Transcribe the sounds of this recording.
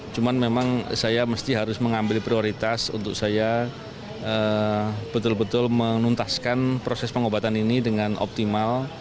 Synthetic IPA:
t͡ʃumanmemaŋsajaməst̪iɦaɾʊsməŋambɪlpɾioɾit̪asṵnt̪ʊk̚saja | əb̥ət̪ʊlbət̪ʊlmənunt̪askanpɾosɛspəŋobat̪aninidəŋano̰p̚t̪imal

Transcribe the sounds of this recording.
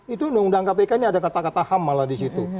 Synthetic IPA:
it̪unaŋundaŋkap̬ekaniadakat̪akat̪ahamalahdisit̪u

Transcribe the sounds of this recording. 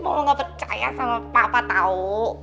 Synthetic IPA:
mɔwɔŋɡapərt͡ʃa̰ja̰samapapat̪au

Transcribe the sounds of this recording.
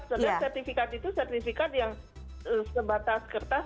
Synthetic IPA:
saasɛrt̪ifikat̪it̪usɛrt̪ifikat̪̚jaŋ | əsəbat̪askərt̪a

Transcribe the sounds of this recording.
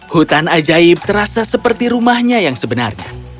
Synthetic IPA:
hut̪anad͡ʒaɪb̚t̪əɾasasəpərt̪iɾumahɲajaŋsəbəna̰rɲa̰

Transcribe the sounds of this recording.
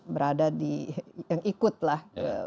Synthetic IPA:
bəɾadadijaŋʔikʊt̪̚lahkə̰

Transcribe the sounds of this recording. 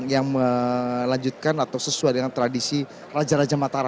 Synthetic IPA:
jaŋməlaɲd͡ʒut̪̚kanat̪awsəsuajdəŋant̪ɾadisi | rad͡ʒaɾad͡ʒamat̪aɾa

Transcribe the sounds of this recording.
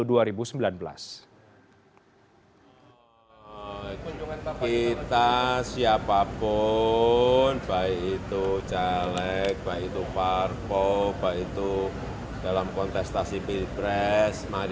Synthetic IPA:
duaɾibusəmbilanbəla̰s | kit̪asiapapʊ | nb̥aiit̪ut͡ʃalɛk̚b̥aʔit̪uparpɔb̥ait̪u | d̥alamkɔnt̪ɛst̪asipipɾɛsma

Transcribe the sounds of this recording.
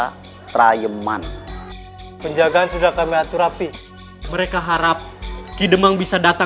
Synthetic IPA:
a | t̪ɾajəma̰n | pəɲd͡ʒaɡaansudahkamiat̪uɾapi | məɾekaɦaɾap̚kidəmaŋbisadat̪a

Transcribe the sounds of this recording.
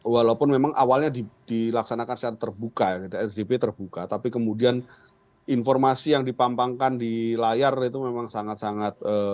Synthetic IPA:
walaupʊnmemaŋʔa̰walɲadid̥ilaksanakansət͡ʃaɾat̪ːərbukaɡid̪iɛsdebet̪ərbukat̪apikəmudian | infɔrmasijaŋdipampaŋkandilajarit̪umemaŋsaŋat̪saŋat̪̚əː

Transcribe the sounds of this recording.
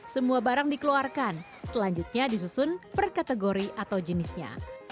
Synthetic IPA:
səmuabaɾaŋdikəluarkan | səlaɲd͡ʒut̪̚ɲadis̬usʊnpərkat̪əɡoɾiʔat̪awd͡ʒənɪsɲa̰

